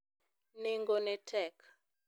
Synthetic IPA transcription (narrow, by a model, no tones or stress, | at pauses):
neŋɡonetʰɛk